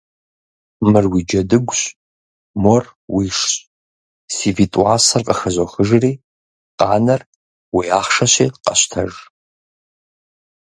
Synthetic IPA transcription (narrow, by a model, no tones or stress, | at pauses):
mɨrwid͡ʒɐdɨɡʷɕ | morwiʂɕ | sivitʼwaːsɐrqʼəxɐʑoxɨʒriː | qʼɑːnɐr | wiaːχʂɐɕiːqʼɐɕtʰɐ̰ʒ